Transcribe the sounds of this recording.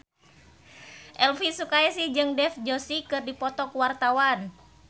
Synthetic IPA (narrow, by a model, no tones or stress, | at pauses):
ʔɛlfisukaɛsid͡ʒɨŋdɛfd͡ʒosikɨrdipɔt̪ɔkwart̪awan